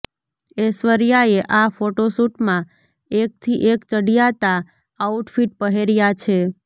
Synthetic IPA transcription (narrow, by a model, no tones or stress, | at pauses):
esʋəɾjaeʔafoʈosuʈmã | ek̚t̪ʰiʔekt͡ʃəɽijat̪a | auʈfiʈ̚pəɦeɾjat͡ʃʰe